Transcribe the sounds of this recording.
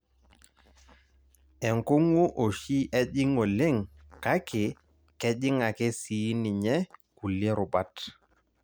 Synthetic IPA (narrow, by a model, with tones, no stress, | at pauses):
ɛ˨ŋko˦ŋu˦ʔo˨ʃi˦ʔɛ˦ʄɪ˦ŋo˨le˦˨ŋ | ka˦kɪ˨ | kɛ˦ʄɪ˦ŋa˨kɛ˦si˨˦ni˨ɲɛ˦ku˨le˦ɾʊ˨ba˦t